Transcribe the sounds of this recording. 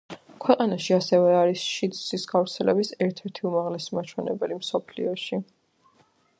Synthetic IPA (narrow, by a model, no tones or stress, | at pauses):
kʰwɛqʼanaʃiasɛvɛaɾisʃid̪sisɡavɾt̪sʰɛlɛbisɛɾt̪ʰɛɾt̪ʰiumaʁlɛsmat͡ʃʰwɛnɛbɛlimsɔpʰlḭɔʃi